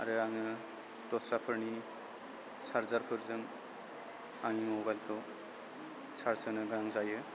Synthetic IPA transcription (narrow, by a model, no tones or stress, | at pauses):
a̰ɾɯaŋɯ | d̥ɔsɾapʰɯɾni | saɾzaɾpʰɯɾzɯŋ | aŋimɔbajlkʰɯw | sʰaɾsɯnɯɡɾaŋzajɯ